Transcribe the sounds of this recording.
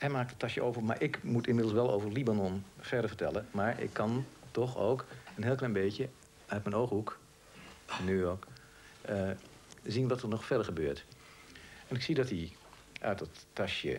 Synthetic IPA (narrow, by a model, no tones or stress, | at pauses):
hɛmaːk̚tətɑʃjəʔoːvərma̰ːɹʔɪkmutɪmɪdl̩ˠsʋɛlˠo̰ːvərlibanɔnfɛrdəɹfəɹtɛ̰lˠəmaːɹɪ̰kʰːɑntɔxo̰ːkənɦɪːlˠklɛjnbeːkjə | œt̚mɛnowxhuk | nːyjoɹk | ə | zinʋɔtərnɔxfɛɹdəɹχəbøːɹt | ɛnɪksiədɔti | ʔœ̰ɥtɔtːɑʃjə̰